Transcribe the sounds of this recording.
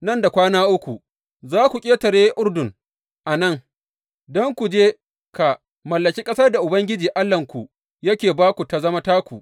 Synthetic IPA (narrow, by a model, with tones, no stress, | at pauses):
nɐ˦nda˨kʷaː˦naː˦ʔʊ˦kʷu˨ | zaː˦kʷu˨kʲʼeː˦tɐ˨ɽeː˦ʔʊ˦rdʊ˨ŋ | ʔa˨nɐ˦ŋ | dɔ˦ŋkʷu˨d͡ʒeː˦ | ka˨ | mɐ˨lːɐ˨kʲiː˦kʼɐ˦sɐ˦rda˨ʔʊ˨bɐ˦ŋɡʲɪ˦d͡ʒiː˨ʔa˦lːɐ˨ŋkʷu˨ | jɐ˦kʲeː˨baː˦kʷu˨ta˨zɐ˦ma˦taː˦kʷu˨